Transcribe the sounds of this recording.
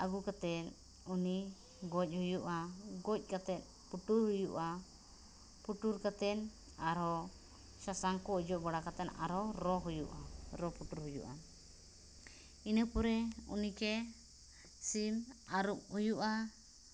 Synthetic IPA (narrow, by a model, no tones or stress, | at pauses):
aɡukat̪ɛn | uni | ɡɔc̚ˀhujuʔaɡɔc̚ˀkat̪ɛt̪̚ | puʈuɾɦujuʔa | puʈuɾkat̪ɛn | aɾɔ | sasaŋkɔd͡ʒɔʔbaɽakat̪ɛna̰ɾɔɾɔɦujṵʔaɾɔpuʈuɾɦujṵʔa̰ | inəpɔɾɛṵnikɛ | simaɾuʔ̚hujuʔa